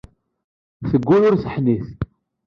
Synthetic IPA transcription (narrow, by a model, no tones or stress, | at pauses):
θəɡʷːulʊɾθəħniθ